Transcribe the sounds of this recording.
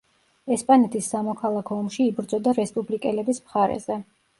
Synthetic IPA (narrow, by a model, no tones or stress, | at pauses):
ɛspʼanɛt̪ʰisːamɔkʰalˠakʰɔːmʃiːbɾd̪zɔd̪aɾɛspʼublikʼɛlɛbismχaɾɛ̰zɛ